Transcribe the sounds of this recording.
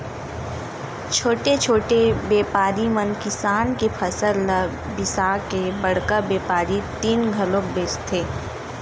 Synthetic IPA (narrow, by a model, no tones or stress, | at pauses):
t͡ʃʰoːʈet͡ʃʰoːʈebeːpaːɾimɐnkɪsaːnkepʰɐsəl | bɪsaːkebɐɽ̤kabeːpaːɾit̪iːnɡʱɐlõːk̚beːt͡ʃt̪ʰːeː